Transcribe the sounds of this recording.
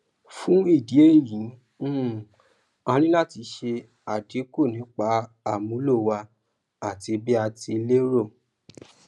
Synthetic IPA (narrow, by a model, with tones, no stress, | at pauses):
fũ˦i˦˨di˨˦e˦˨jĩ˨˦ | ã˧ɾ̃ĩ˦la˦˨ti˧ʃe˧ | a˨di˨˦ko˦˨nĩ˨˦k͡pa˧˦ | a˨mũ˨˦lo˦˨wa˧ | a˦˨ti˧bi˦a˧ti˧le˦ɾo˦˨